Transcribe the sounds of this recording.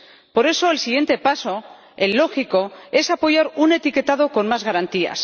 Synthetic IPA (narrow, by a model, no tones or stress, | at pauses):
po̞ɾe̞so̞elsiɣje̞nt̪e̞paso̞ | elːo̞xiko̞e̞sapo̞ʝaɾune̞t̪ike̞t̪að̞o̞ko̞nmazɣaɾant̪ia̰s